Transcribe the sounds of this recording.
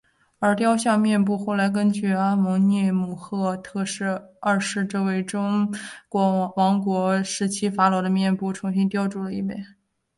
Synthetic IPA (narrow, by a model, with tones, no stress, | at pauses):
ə˞˧˥t̪̬jɑ˥ʊɕjɑ˥˧ŋmjɛ˥˧np̬u˥˧xo˥˩ʊla˧˥ɪk̬ə˥nt͡ɕy˥˩a˥mʊ˧˥ŋnjɛ˥˧mu˥˩xɤ˥˧t̪ʰɤ˥˧ʂɻ̩˥˧ə˞˥˧ʂɻ̩˥˧ʈ͡ʂɤ˥˧we˥˩ɪʈ͡ʂʊ˥ŋkwwɑ˧˥ŋkwɔ˧˥ʂɻ̩˧˥t͡ɕʰi˥fa˧˥lo˧˥ʊd̪ə˧mjɛ˥˧npu˥˩ʈ͡ʂʰʊ˧˥ŋɕi˥nt̪jɑ˥˧ʊʈ͡ʂu˥˩lə˩i˥˩mɛ̰˧˩˦